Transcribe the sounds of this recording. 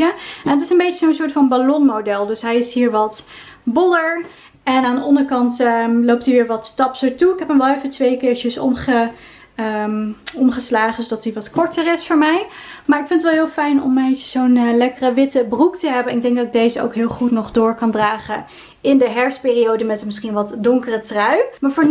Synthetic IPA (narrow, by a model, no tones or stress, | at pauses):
əɛnətɪsənbejt͡ʃəzownsʊːɹtfɑnbalɔnmodɛlˠdɵsɦɛjɪsɦiːɹʋɑtbɔləɹ | ɛnaːndəɑndəɹkɑntlowp̚tiʋɪːɹʋɑttɑpsəɹtuɪkɦɛpəmbɛefətʋejkɪːɹʃəsɔ̰mχə | ɔmχəslaːχənsodɑtiʋɑtkɔɹtəɹɪsfʊːɹmɛjmaːɹɪkfɪnətʋɛlˠɦɪːlˠfɛjnɔ̰mentəz̥ownlɛkərəʋɪtəbruktəɦɛbənɪɡ̚dɛŋk̚dɑtɪɡ̚dejzəo̰wkɦɪːlˠχutnɔχdʊːɹkɑndraːχə | ɪndəɦɛɹspɪːrijowdəmɛtənmɪsχinʋɑtdɔŋkərətrœɥmaːɹvoː